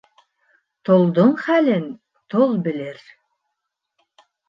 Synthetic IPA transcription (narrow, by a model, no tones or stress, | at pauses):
t̪ŏlˠd̪oɴχælɘn | t̪olˠbɘ̆lɘɾ